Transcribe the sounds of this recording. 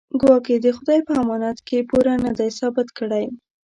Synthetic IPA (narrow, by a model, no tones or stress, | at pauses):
ɡwɑked̪əxʊd̪ɑjpəamɑnat̪kepuɾanad̪ajsɑbɪt̪kəɽaj